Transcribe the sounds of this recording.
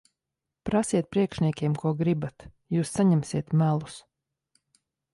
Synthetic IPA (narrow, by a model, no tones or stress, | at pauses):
pɾasiɛt̪̚pɾiɛkʃnʲiɛkʲiɛmkuɔɡɾibat̪ | juːsːaɲɛmsiɛt̪mælˠus